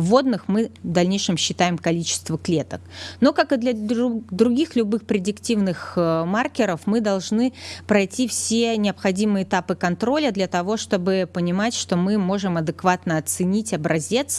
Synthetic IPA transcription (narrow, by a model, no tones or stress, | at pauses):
vo̞d̪nɨxmɨvd̪ɐlʲnʲejʂɨmɕːɪt̪ajɪmkɐlʲit͡ɕɪ̥st̪vəklʲe̞t̪ək̚no̞kakɨd̪lʲɐd̪ɾʊɡʲixlʲʊbɨxpɾʲɪdʲɪktʲivnɨxmarkʲɪɾəfmɨd̪ɐlˠʐnɨpɾɐjtʲifsʲenʲɪɐpxɐdʲimɨjəɪt̪apɨkɐnt̪ɾo̞lʲəd̪lʲɐt̪ɐvo̞ʂt̪o̞bɨpənʲɪmatʲʂt̪o̞mɨmo̞ʐɨmɐd̪ɨkvat̪nəɐt̪sɨnʲitʲɐbɾɐzʲe̞t̪s